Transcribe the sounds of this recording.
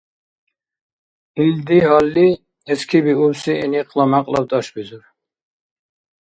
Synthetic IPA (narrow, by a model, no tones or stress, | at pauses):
ild̪ihɑlːi | ɛskʰibiuɾsiɛniqʼlamaqʼlɑbt̪ɑʃbizuɾ